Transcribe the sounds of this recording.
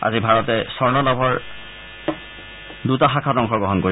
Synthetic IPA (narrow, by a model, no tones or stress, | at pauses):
a̰zibʱaɹɔtɛsɔɹnɔlɔbʱɔɹ | dutaxakʰadɔŋkʰɔɹɡɔɦɔnkoɹi